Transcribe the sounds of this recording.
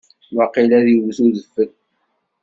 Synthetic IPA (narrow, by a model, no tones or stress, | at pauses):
wɑqilæðiwsuðəfːək̚